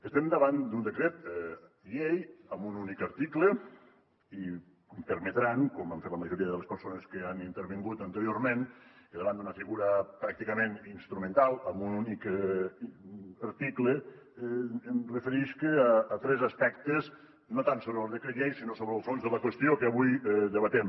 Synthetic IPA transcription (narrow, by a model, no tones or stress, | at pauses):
əst̪emd̪əβand̪und̪əkɾet̪ | ʎejəmbununikəɾt̪iklə | i | mpəɾmet̪ɾaŋkomaɱfet̪ləməʒuɾiəðəlespəɾsonəskəanint̪əɾβiŋɡut̪ənt̪əɾjoɾmeniðəβand̪unəfiɣuɾɐpɾak̚t̪ikəmeninst̪ɾumẽnt̪alˠəmbununik | əɾt̪iklə | mrəfəɾiʃkəaːt̪ɾɛzɐspɛkt̪ez | not̪ansoβɾlˠðekɾeʎejsinosoβɾeəlˠfonzðəlɐkwəst̪iokəːβujðəβət̪ɛm